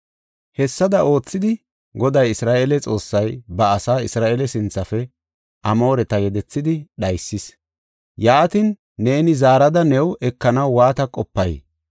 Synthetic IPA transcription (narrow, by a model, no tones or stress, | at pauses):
hɛsːɐd̪ɐʔo̞ːt͡sːɪd̪ɪ | ɡɔd̪ɐjɪsɾaːʔelɛt͡sʼo̞ːsːɐjbɐːsaːɪsɾaːʔelɛsɪnt͡sːɐfɛ | ʔɐmo̞ːɾɛt̪ɐɡɛd̪ɛt͡sːɪd̪ɪɗɐjsːɪs | jaːt̪ɪnː | e̞ːnɪzaːɾɐd̪ɐnɛwʔɛkːɐnɐwːaːt̪ɐkʼɔpːɐj